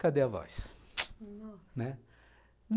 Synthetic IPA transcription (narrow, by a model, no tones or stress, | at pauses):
kad̪eavɔ̰js | nɛ | n